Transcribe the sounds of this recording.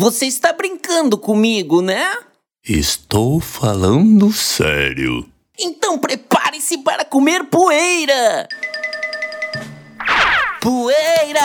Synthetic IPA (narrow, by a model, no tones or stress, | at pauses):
voseist̪abɾĩŋkɐ̃nd̪ʊkõmiɡʊnɛ | ɪ̰st̪owfalɐ̃d̪ʊsɛ̰ɾjʊ̰ | ẽnt̪ɐ̃w̃pɾepa̰ɾɪ̃sɪpaɾɐkomeɾpuejɾɐ | puejɾɐ